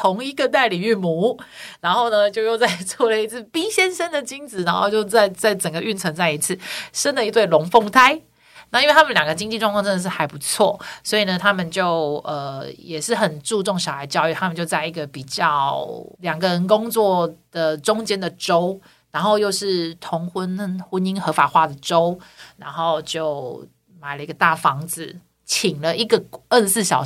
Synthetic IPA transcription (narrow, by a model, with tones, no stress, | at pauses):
t̪ʰʊ˧˥ŋi˧˥ɡə˨t̪a˥˩ɪli˨˩y˥˩mu˧˥na˧˥nxo˥˩ʊnə˩t͡ɕjo˥˧ʊjo˥˧ʊt͡sa˥˧ɪt͡swɔ˥˩lə˩i˧˥t͡s̩ʰ˥˩pi˥ɕjɛ˥nʂə˥nd̪ə˨t͡ɕi˥ŋt͡sɹ̩˨˩na˧˥nxo˥˧ʊt͡ɕjo˥˧ʊt͡sa˥˧ɪt͡sa˥˩ɪʈ͡ʂə˨˩ŋɡə˦y˥˩nt͡sʰɤ˧˥ŋt͡sa˥˩ɪi˧˥t͡sʰɹ̩˥˩ʂə˥nd̪ə˨i˧˥t̪we˥˩ɪlʊ˧˥ŋfo˥˧ŋt̪ʰa˥ɪ | na˥˩˧i˥nwe˥˩t̪ʰə˨nljɑ˨˩ŋɡə˩t͡ɕi˥ŋt͡ɕi˥˧ʈ͡ʂwŋkʰɑ˥˧ŋʈ͡ʂə˥˧d̪ə˩ʂɻ̩˥˩xa˧˥ɪpu˧˥t͡sʰwɔ̰˥˩swɔ˧˥i˨˩nə˩t̪ʰa˥mə˨nt͡ɕjo˥˩ʊə˨˩jɛ˨˩ʂɻ̩˥˩xə˨˩nʈ͡ʂu˥˧ʈ͡ʂʊ˥˩ŋɕjɑ˨˩a˨˥˧t͡ɕjɑ˥˧ʊy˥˩t̪ʰa˥mə˨nt͡ɕjo˥˧ʊt͡sa˥˩ɪi˧˥ɡə˨pi˨˩t͡ɕjɑ˥˩ʊljɑ˨˩ŋɡə˦ɻə˧˦nkʊ˥ŋt͡swɔ˥˩d̪̥ə˨ʈ͡ʂʊ˥ŋt͡ɕjɛ˥nd̪ə˨ʈ͡ʂo˥ʊ | ɻa˧˥nxo˥˧ʊjo˥˧ʊʂɻ̩˥˩t̪ʰʊ˧˥ŋxə˦˥nnxə˧˥ni˥ŋxɤ˧˥fa˨˩xwa˥˩d̪ə˩ʈ͡ʂo˥ʊna˧˥nxo˥˧ʊt͡ɕjo˥˩ʊ | ma˨˩ɪlə˦i˥ɡə˨t̪a˥˩fɑ˧˦ŋd͡zɹ̩˨ | t͡ɕʰi˨˩ŋlə˦ʔi˥˩ɡə˩ə˥˧˩sɹ̩˥˩ɕjɑ˨˩